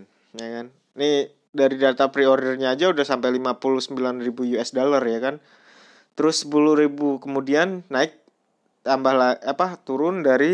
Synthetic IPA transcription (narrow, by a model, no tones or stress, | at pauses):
jakan | ni | daɾidat̪apɾioɾrɲaːd͡ʒaudahsampajlimapulʊhsəmbilanribujuɛsdalərjakan | t̪əɾʊsːə̥pulʊhɾibukəmudianːaɪk̚ | t̪ambahlaapat̪uɾʊndaɾi